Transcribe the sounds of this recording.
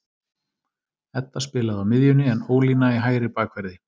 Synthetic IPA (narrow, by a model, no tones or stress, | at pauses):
ɛt̪ːaspɪːlaðamɪðjʏnɪɛnoːwlinaiɦaːjɾɪpaːkʰvɛɾðɪ